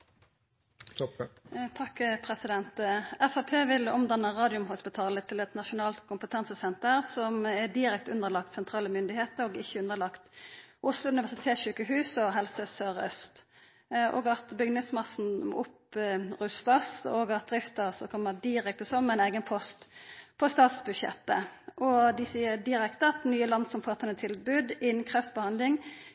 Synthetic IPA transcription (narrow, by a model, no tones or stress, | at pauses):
t̪ʰɑkːpʰʁɛsɪd̪ɛnt̪ɛfɑpʰeːʋɪlɔmd̪ɑnːəʁɑːd̪ɪʊmhʊspɪt̪ʰɑːlət̪ʰɪlɛt̪nɑʃʊnɑːlt̪kʰʊmpət̪ʰɑnsəsɛnt̪əʁsɔmɛd̪ɪɾɛk̚t̪ʉnːəlɑk̚t̪sɛnt̪ʰɾɑːləmʏnd̪ɪheːt̪əɾɔːɡɪçːəʉnd̪əlɑkt̪ʔʊslʊʉnɪʋæsɪt̪ʰeːʃʉːkəhʉːsɔɦɛlsəsøːʁœst̪ | ʔo̰ːɡɑt̪bʏɡnɪŋsmɑsn̩ʊpʁʉst̪ɑsoːɡɑt̪̚d̪ɾɪft̪əsɔkʰɔmːəd̪ɪɾɛk̚t̪əsɔmːmɛɪneːɡənpʰɔst̪pʰɔst̪ɑːt̪sbʉd̪ʃɛ̰t̪ːəʔɔd̪ɪsiːəd̪ɪɾɛkt̪əɑt̪nyːəlɑnd̪sɔmfɑːt̪ʰɛnːət̪ʰɪlbʉːd̪ɪnnkʰʁɛft̪̚bəhɑnd̪lɪŋ